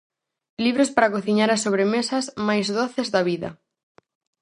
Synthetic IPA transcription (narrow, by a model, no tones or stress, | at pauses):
liβɾʊspaɾakoθiɲaɾasoβ̞ɾemesɐsmajzðoθɪzðɐβiðɐ̰